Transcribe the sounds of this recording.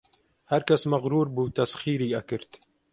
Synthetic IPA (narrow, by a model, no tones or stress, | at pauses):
hæɾkɐsmɐɣɾuːɾbuːt̪ɐsxiːɾiːʔɐkɨɾt̪